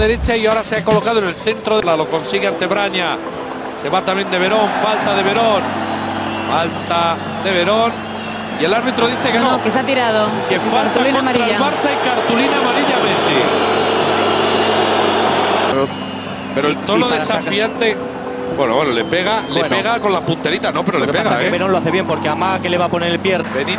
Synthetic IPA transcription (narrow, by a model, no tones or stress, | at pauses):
ðe̞ɾe̞t͡ʃaiaoɾaseako̞lo̞kaðonelθe̞nt̪ɾoðelalo̞ko̞nsiɣeant̪e̞βɾaɲa | se̞βat̪amjend̪e̞β̞e̞ɾo̞ɱfalt̪aðe̞βeɾon | falt̪a | ðeβ̞eɾon | ie̞laɾβit̪ɾoðiθekenokesat̪iɾaðokefalt̪alimaɾɾaβaɾsaikaɾt̪ulinamaɾiʎaβesi | peɾoelt̪onoðesafiant̪e | bweno̰wenolepeɣalenpeɣako̞nlapunt̪eɾit̪anopeɾolepeasaeβeɾo̞nloaθe̞βje̞mpo̞ɾkeamaɣake̞le̞β̞apo̞neɾelpjebeni